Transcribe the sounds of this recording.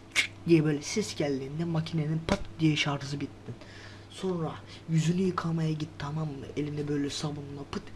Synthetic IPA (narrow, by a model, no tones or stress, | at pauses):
t͡ʃʰy̥c̚d̪ijɛbø̞ːlʲɛsɛsɟælʲːiːind̪ɛmacʰineninpʰat̪d̪ijɛʃaɾɯzɯbit̪ːin | so̞nɾa | jyzynyjɯkʰamajaɟit̪ːt̪ːʰamamelʲinɛbø̞jlʲɛsavununapɯt̪